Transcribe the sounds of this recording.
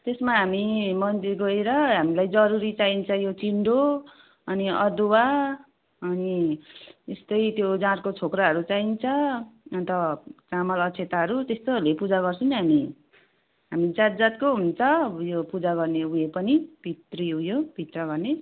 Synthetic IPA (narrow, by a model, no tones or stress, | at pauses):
t̪esmaɦamimʌnt̪eɡʌeɾʌɦamilajd͡zʌɾuɾit͡saint͡sʰʌjot͡siɳɖo | ʌniʌd̪owa | ʌni | est̪ʌjt̪jod͡zãɾkot͡sʰokraɦʌɾut͡saint͡sʰʌʌnt̪ʌt͡samʌlʌt͡sʰet̪aɦʌɾut̪est̪olepud͡zaɡʌrsʰʌnɦami | ɦamid͡zat̪̚d͡zat̪̚koɦunt͡sʰʌjopud͡zaɡʌrneujepʌnib̥ʱit̪riɦũjob̥ʱit̪rʌɡʌrne